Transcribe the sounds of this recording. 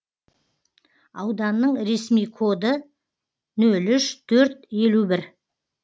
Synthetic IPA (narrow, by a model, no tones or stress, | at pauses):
ɑ̰wd̪ɑnːəɴɾe̞smijkʰo̞d̪ə | nɵlʏʃt̪ʰɵɾt̪je̞lubɪɾ